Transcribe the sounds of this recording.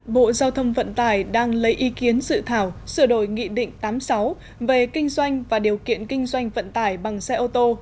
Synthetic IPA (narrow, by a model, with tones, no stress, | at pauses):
ɓo̰˧˨zaː˧wt̪ʰə˧mfə̰˧˨nt̪aː˧˩jɗaː˧ŋlə˨˦jʔi˨˦ki˨˦ənsɨ̰˧˨t̪ʰaː˧˩wsɨ˧˩əɗo̰˧˩jŋḭ˧˨ɗḭ̈˧˨ŋ̟t̪aː˨˦msa˨˦w | ve˨˩kï˧ŋ̟zwa˧jŋ̟vaː˨˩ɗi˨˩əwkḭ˧˨ənkï˧ŋ̟zwa˧jŋ̟və̰˧˨nt̪aː˧˩jɓa˨˩ŋsɛ˧ʔo˧t̪o˧